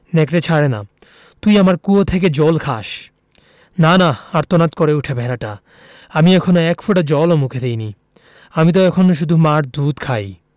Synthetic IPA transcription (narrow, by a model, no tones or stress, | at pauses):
nekɾet͡ɕʰaɽena̰ | t̪ujamaɾkuot̪ʰek̬ed͡ʑɔlkʰa̰ʃ | nanaaɾt̪onat̪koɾeuʈʰebʱɛɾaʈa | amiɛkʰonoɛkfʰuʈad͡ʑɔlomukʰed̪ejni | amit̪̬oɛkʰonoʃ̬ud̪ʱumaɾd̪ʱut̪kʰaj